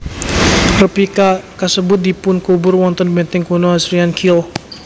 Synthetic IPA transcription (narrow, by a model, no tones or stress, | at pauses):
rəpikakasəbʊt̪̚dipʊnkubʊrwɔnt̪ɔnbɛnt̪ɛŋkunoasɾiankʰil